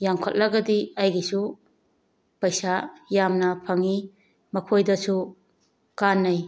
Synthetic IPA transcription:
jaŋkʰot̚lɐɡɐdiɐjɡisu | pɐjsajamnɐpʰɐŋi | mɐkʰojdɐsu | kanːɐj

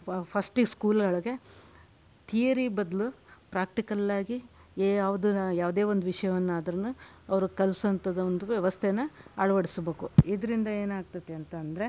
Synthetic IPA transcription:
pʰɐsʈiskuːlɐɐɭɐɡe̞ | t̪ʰiːjɐɾibɐd̪lupɾaːk̚ʈikɐlːaːɡi | aːʋd̪ujaːʋd̪eːʋond̪uʋiʂɐjɐʋɐnːaːd̪ɐɾɐnːu | ɐʋɐɾukɐlsɐnt̪ɐd̪ɐond̪uʋɛʋɐst̪ʰenɐaːɭɐʋɐɽisbeːkuid̪ɐɾind̪ɐeːnaːɡ̚t̪ɐt̪ːeɐnt̪ɐːnd̪ɐɾe̞

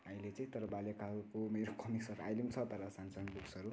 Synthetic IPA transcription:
ʌĩlet͡saĩt̪ʌɾʌbalekaɾukomeɾokʌmiksʌɾuajlimt͡sʰʌt̪ʌɾʌsansanbuksʌɾu

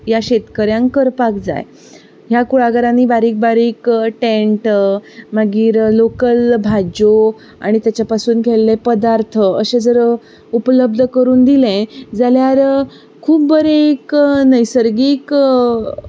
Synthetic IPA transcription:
jaɕet̪kəɾjãŋkkəɾpakd͡za̰j | ɦjakuɭaɡəɾãniːbaɾiːk̚baɾiːkʈeɳʈmaɡiːɾlokəlbʱad͡ʑo | a̰ɽ̃it̪jat͡ɕjapasuːnkʰelːepəd̪aɾt̪ʰəəɕẽd͡zəɾ | upələb̚d̪ʱəkəɾuːnd̪ilɛ̃d͡zaljaɾ | kʰuːp̚bəɾeeknəjsəɾɡiːk

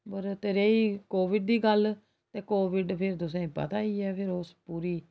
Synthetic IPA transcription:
pəɾt̪eɾeːiːkoːʋɪɖ̚d̪iːɡəl | t̪eːkoːʋɪɖpʰɪɾt̪ʊs̬ẽpə̰t̪aːiːɛːpʰɪɾospuːɾiː

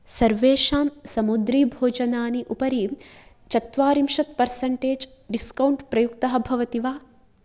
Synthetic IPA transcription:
sɐɾʋeːʂaːmsɐmud̪ɾiːbʱoːd͡ʒɐnaːniʔupɐɾi | t͡ʃɐt̪ʋaːɾimʃɐt̪pɐɾsɐɳʈeːd͡ʒɖiskɐwɳʈpɾɐjukt̪ɐɦɐ̆bʱɐʋɐt̪iʋaː

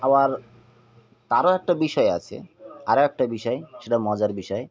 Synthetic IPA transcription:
abaɾ | t̪aɾoɛk̚ʈabiʃɔea̰t͡ɕʰḛaɾoɛk̚ʈabiʃɔeʃeʈamɔd͡ʑaɾbiʃɔe

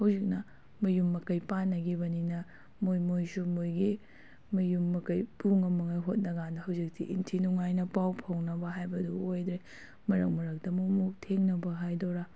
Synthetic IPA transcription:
hɐwzik̚nɐ | mɐjumːɐkɐjpanɐɡibɐninɐ | mojmojsumojɡi | mɐjumːɐkɐjpuŋɐmɐŋajɦot̚nɐɡanɐhɐwzik̚tʰḭʔintʰinuŋajnɐpawpʰɐwnɐbɐɦajbɐduojd̪ɾe | mɐɾɐ̰k̚mɐɾɐk̚dɐmumuk̚tʰeŋnɐbɐɦajdoɾa

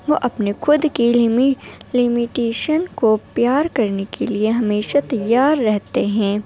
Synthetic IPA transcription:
ʋoʔɐpnexʊd̪kimlɪmɪʈeːʃənkopjaːɾkɐɾnekelieɦɐmeːʃat̪ɐjːaːɾːɛɦt̪eɦɛ̃ː

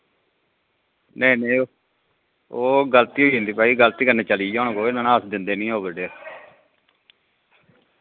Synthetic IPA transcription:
neːne | oːɡəlt̪iːɦoːiːɦə̃nd̪iːpaːiːɡəlt̪iːkəɾneːt͡ʃəliːd͡ʒãːnkoːenãːnãːəsd̪ɪnd̪eːnĩːɦoːbəɖeː

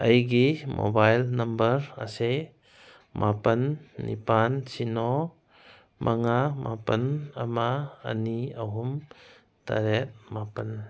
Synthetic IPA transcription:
ʔəjɡimʔo̰bajlnɐmbəɾase | mʔapənːḭpansinɔ | mʔaŋamʔa̰pənamaːniaɦum | ta̰ɾɛt̚mapən

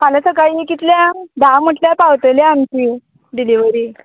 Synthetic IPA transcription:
maləsəɡajinikit̪ljad̪am̤əʈljapawt̪əljaːmt͡ɕi | ɖiliʋəɾiː

